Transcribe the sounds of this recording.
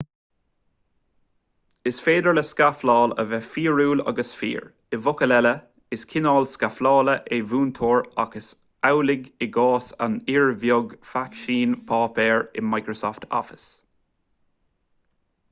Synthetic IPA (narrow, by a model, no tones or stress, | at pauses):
ɪsfeːd̪əɹləskaflɑːlə̰vɛfiːɹuːla̰ɡəsfḭːɹ | ɪvʊkəlɛlə | ɪskʰɪnɑːlskaflɑːləʔevuːnt̪ʰoːɹaɡəs | awlɪɡɪɡɑːsa̰nɪɹvjʊɡfakʃiːnpʰɑːpɛːɹɪ̰majkɹosɔːft̪ʰɔ̰fɪ̥s